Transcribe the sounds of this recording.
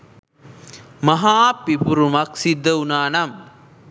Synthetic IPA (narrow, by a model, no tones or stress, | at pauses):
mɐɦaːpːipuɾumɐksid̪ːɐunaːnɐm